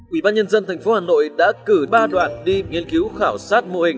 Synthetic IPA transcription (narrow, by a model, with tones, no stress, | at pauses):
ʔwḭ˧˩ɓaː˧ɲə˧nzə˧nt̪ʰɛ˨˩ŋfo˨˦haː˨˩no̰˧˨jɗa̰ː˧˥kɨ˧˩ɓaː˧ɗwa̰ː˧˨nɗi˧ŋi˧ənki˨˦wxaː˧˩wsaː˦˥t̚mo̰˧˨hï˨˩ŋ̟